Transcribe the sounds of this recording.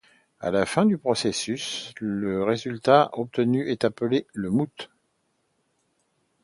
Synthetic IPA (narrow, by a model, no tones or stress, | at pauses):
a̰lafɛ̃d̪ypχɔsesysləʁezylt̪aʔɔp̚t̪ənyʔɛt̪apəleləmut̪